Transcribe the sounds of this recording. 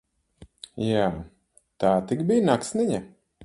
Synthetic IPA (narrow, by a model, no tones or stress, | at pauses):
jaː | t̪aːt̪ikbijnaksniɲa